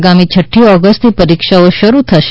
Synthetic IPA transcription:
ɡamit͡ʃʰəʈʰːiɔɡəsʈt̪ipəɾikʃaoʃəɾut̪ʰəʃ

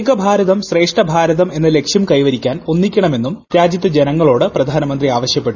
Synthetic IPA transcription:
ɡɐbʱaːɾɐðɐmɕre̞ːʂʈɐbʱaːɾɐðɐme̞nːɨle̞kʂjɐmkɐjʋɐɾikʲːaːno̞nːikʲːɐɳɐme̞nːumɾaːd͡ʑjɐt̪ːɐd͡ʑe̞nɐŋːɐɭo̞ːɽɨprɐd̪ʱaːnɐmɐnd̪riaːʋɐɕjɐpːe̞ʈːu

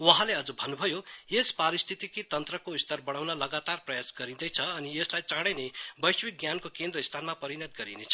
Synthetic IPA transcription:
wʌɦãleʌd͡zubʱʌnːubʱʌjojespaɾist̪ʰit̪ikit̪ʌnt̪rʌkoist̪ʌrbʌɽ̃awnʌlʌɡat̪arprʌjasɡʌɾĩd̪ʌjt͡sʰʌːnieslajt͡saɽ̃enebʌjswik̚ɡjankokend̪ɾʌist̪ʰanmapʌɾinʌt̪ɡʌɾinet͡sʰʌ

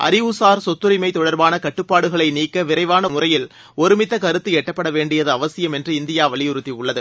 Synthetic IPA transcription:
ʔɐ̰ɾɪʋusaːɾsɔt̪ːʊɾɪmɐɪt̪ːɔɽɐɾbaːnɐkɐʈːɯpːaːɽɯɣɐɭɐɪniːkːɐʋɪɾɐɪʋaːnɐmʊrɐjɪl | ɔɾɯmɪt̪ːɐkɐɾɯt̪ːɯɛʈːɐpːɐɽɐʋeːɳɖɪjɐðɯɐʋɐsɪjɐmɛndrɯɪnd̪ɪjaːʋɐɭɪjʊɾɯt̪ːiʊɭːɐðɯ

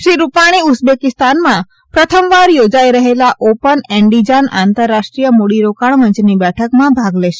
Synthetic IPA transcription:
ʃɾiɾupaɽ̃iusbekɪst̪anmã | pɾət̪ʰəmʋaɾjod͡ʒaiɾəɦelaʔopənɛɳɖid͡ʒana̰nt̪əɾːaʃʈɾijəmoɽiɾokaɳməɲt͡ʃnibɛʈʰəkmãbʱaɡleʃe̥

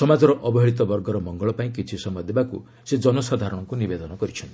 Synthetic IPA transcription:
sɔmad͡ʒɔɾɔʔɔbɔɦiɭit̪ɔbɔɾɡɔɾɔmɔŋɡɔɭɔpaĩkit͡ʃʰisɔmɔd̪ebaku | sed͡ʒɔnɔsad̪ʱaɾɔɽ̃ɔŋkunibed̪ɔnɔkɔɾit͡ʃʰɔnt̪ii

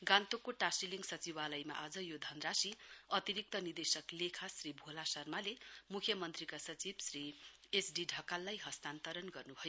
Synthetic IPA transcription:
ɡãnt̪okoʈasiliŋɡsʌt͡sibalʌjma̰ʔad͡zʌjod̪ʱʌnrasiʌt̪iɾik̚t̪ʌnird̪esʌklekʰasribʱolasʌrmalemukʰjʌmʌnt̪rikasʌt͡sibsri | esɖiɖʱʌkalːajɦʌst̪ant̪ʌɾʌnɡʌrnubʱʌjo

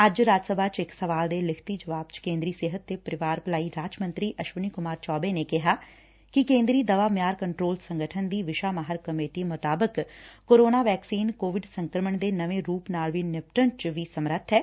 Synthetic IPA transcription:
əd͡ʒɾaːd͡ʒəsəbʱaːt͡ʃɪksəʋaːld̪eːlɪkʰt̪iːd͡ʒəʋaːb̚t͡ʃkẽːnd̪ɾiːseːɦət̪ːeːpəɾɪʋaːɾpəlaːiːɾaːd͡ʒmə̃nt̪ɾiːʔəʃʋəniːkʊmaːɾt͡ʃɔːbeːneːkɪɦaː | kɪkẽːnd̪ɾiːd̪əʋaːmɪjaːɾkəɳʈɾoːlsəŋɡəʈʰənd̪iːʋɪʃaːmaɦəɾkəmeːʈiːmʊt̪aːbəkkoːɾoːnaːʋɛːksiːnkoːʋɪɖsəŋkɾəməɳd̪eːnəʋẽːɾuːpnaːlʋiːnɪp̚ʈənt͡ʃʋiːsəmɾət̪ʰːɛː

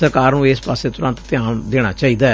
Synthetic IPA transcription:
əɾkaːɾnũːeːspaːseːt̪ʊɾə̃nt̪t̪ɪjãːd̪eːɽ̃a̰ːt͡ʃaːiːd̪aː

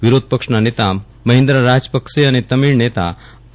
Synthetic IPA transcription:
ʋiɾod̪̚ʱpəkʂɳanet̪a | məɦend̪ɾaɾad͡zpəkʂeaɽ̃it̪əmiɭnet̪a̰

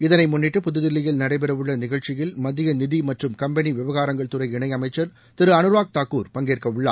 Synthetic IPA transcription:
ɪðɐnɐɪmʊnːɪʈːɯpʊðɯðɪlːɪjɪlnɐɽɐɪpɛɾɐʋɯɭːɐnɪɣɐɭt͡ʃɪjɪlmɐðɪjɐnɪðimɐʈrɯmkɐmbɛniʋɪʋɐɣaːɾɐŋɡɐɭt̪ɯrɐɪɪɳɐɪɐmɐɪt͡ʃːɐɾ | t̪ɪɾɯɐnɯɾʋaːk̚t̪aːkːuːɾpɐŋɡeːrkɐʋɯɭːa̰ː

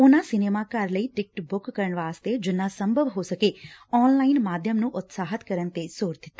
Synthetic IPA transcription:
onasɪnemakaɾləiʈɪk̚ʈbʊkːəɾəɳʋaːst̪ed͡ʒonasə̃mbʱəʋɦosəkeɔːnlaːɪnmaːd̪ʱjəmnũʔʊt̪saːɦət̪kəɾənt̪esoːɾd̪ʱɪt̪ːḁ

